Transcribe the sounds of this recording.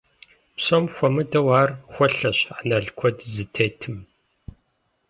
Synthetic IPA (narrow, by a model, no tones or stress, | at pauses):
psomxʷɔmɨdɐwaːrxʷɔɬɐɕanɐɮkʷʰɔdzɨtʰeːtʰɨm